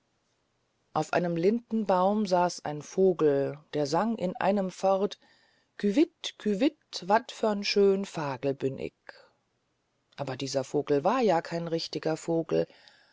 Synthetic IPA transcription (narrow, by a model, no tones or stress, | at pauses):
ʔaʊfʔa̰ɪnəmlɪndn̩baʊmzaːsʔa̰ɪnfoːɡl̩d̥eːɐzaŋʔɪ̰nʔa̰ɪnəmfɔʁt | kʰyvɪtkʰyvɪtvatfœɐnʃøːnfaːɡl̩bʏnʔɪ̰k | ʔaːbɐdiːzɐfoːɡl̩vaːɐjaːkʰaɪnʁɪçtɪɡɐfoːɡl̩